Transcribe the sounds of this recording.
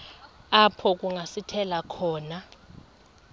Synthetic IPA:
apʰɔk̬ʼuŋasitʰɛlakʰɔːna

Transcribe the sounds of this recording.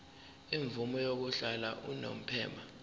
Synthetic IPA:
iɱvumɔjok̬uɬala̰ʔuno̰m̩pʰɛːmbʱa

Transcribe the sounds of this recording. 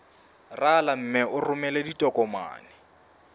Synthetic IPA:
ralam̩mɪʔʊrʊmɛleditʼɔkʼɔma̰ːnɪ

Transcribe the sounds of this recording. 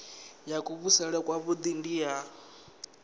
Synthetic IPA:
jakʼuβusɛɺɛkʼwaβud̪indija

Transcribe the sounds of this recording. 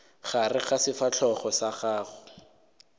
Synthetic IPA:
χarɪχasɪfat͡ɬʰɔχɔsaχaːχʊ

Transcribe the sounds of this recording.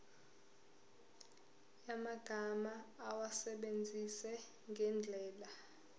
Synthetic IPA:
jamaɡ̥ʱamaːwasɛɓend͡zʱisɛ | ŋɡʱɛnd͡ɮʱɛːla

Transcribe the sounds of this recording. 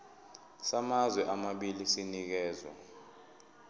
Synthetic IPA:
samazwɛʔamaɓilisinik̬ɛːzwa̰

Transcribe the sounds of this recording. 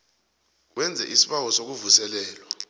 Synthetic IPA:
wʔɛnd͡zʱɛ̰ʔisi̥ɓak̬ɔsok̬uvusɛlɛːlwa

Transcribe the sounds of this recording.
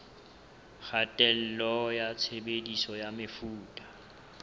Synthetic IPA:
χʰatʼɛl̩lɔjat͡sʰebedisɔjamefuːtʼḁ

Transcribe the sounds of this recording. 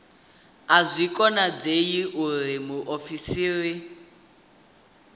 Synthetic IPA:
azʷikʼɔnad͡zejiʔurimuʔofisiːɺi

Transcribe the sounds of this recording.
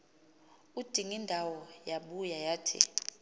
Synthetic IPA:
ud̥ʱiŋindʱawɔjaɓujajaːtʰḭ

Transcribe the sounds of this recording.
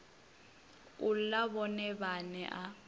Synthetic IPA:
ʊl̩laβɔnɛbanɛʔa

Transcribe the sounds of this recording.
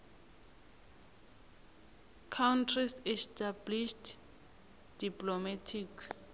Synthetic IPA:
kʰawntʰrisɛstʰabliʃt | d̥iplomatʰik

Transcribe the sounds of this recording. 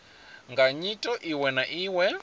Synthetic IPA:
ŋɡaɲitʼɔʔiwɛnaʔiːwɛ

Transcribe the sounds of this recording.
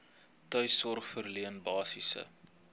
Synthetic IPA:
tœɥsɔrχfərliənbɑːsisə̰

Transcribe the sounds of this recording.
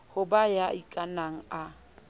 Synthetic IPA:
hʊbajaʔikʼanaŋ̩a

